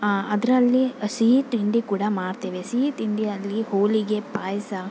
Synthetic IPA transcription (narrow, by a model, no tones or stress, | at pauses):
ɐd̪ɾɐlːisiːʈ̪ind̪ikuːɽamaːɽt̪eːʋesiːʈ̪ind̪iɐlːihoːliɡe̞paːjsɐ